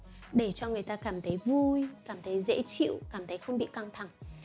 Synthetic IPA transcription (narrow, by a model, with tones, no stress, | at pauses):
ɗe˧˩t͡ɕɔ˧ŋɨ˨˩əjt̪aː˧kaː˧˩mt̪ʰə˨˦jvu˧jkaː˧˩mt̪ʰə˨˦jzḛ˧˥t͡ɕḭ˧˨wkaː˧˩mt̪ʰə˨˦jxə˧wŋ͡mɓḭ˧˨ka˧ŋt̪ʰa˨˧˩ŋ